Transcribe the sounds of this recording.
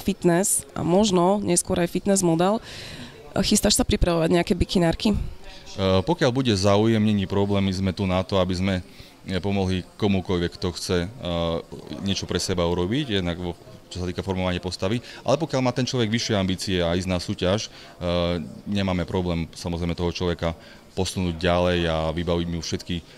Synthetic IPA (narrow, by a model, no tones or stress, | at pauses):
fit̪nɛsʔa̰mɔʒnɔɲɛskʊɔɾajfit̪nɛzmɔd̪ɛl | xist̪aʃsapɾipɾaʋɔʋaɟɲɛakɛbikinaːɾki | pɔkɪaʎbuɟɛzaujɛmɲɛɲiːpɾɔblɛːmizmɛt̪unat̪ɔabizmɛ | pɔmɔɦlikɔmukɔʎʋɛkt̪ɔxt͡sɛ | ɲɪɛt͡ʃɔpɾɛsɛbauɾɔbiɟjɛd̪naɡɔt͡ʃɔ̥sat̪iːkafɔɾmɔʋaɲɪapɔst̪aʋiʔa̰lɛpɔkjaʎmaːt̪ɛnt͡ʃlɔʋɛɡʋiʃːɪɛambiːt͡siɛaiznaːsuːcaʃ | ɲɛmaːmɛpɾɔblɛːmsamɔzɾɛjmɛt̪ɔɦɔt͡ʃlɔʋɛka | pɔsunuːɟɟalɛjaʋibaʋiɟmiufʃɛt̪ki